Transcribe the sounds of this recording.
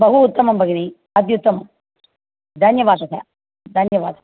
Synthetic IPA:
bɐɦuːt̪ːɐmɐmbʱɐɡini | ɐd̪jut̪ːɐmɐm | d̪ɐnjɐʋaːsɐt̪ʰɐ̰ | d̪ɐnjɐʋaːd̪ɐ

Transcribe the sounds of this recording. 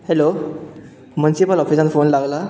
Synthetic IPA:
helo | munisipəlɔpʰisənfʰonlaɡla

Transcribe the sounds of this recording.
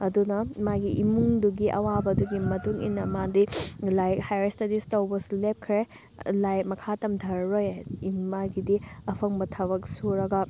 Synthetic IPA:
ɐdunɐmaɡiʔimuŋduɡiʔɐ̰wabɐduɡimɐtuŋḭnːɐmadilajhajɾestɐdistɐwbɐsulep̚kʰɾe | lajmɐkʰatɐmdʱɐɾːojimaɡidiɐpʰɐŋbɐtʰɐβɐk̚suɾɐɡɐ

